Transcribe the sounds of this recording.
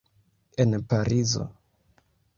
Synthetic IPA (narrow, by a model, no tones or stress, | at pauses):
e̞npaɾizo̞̰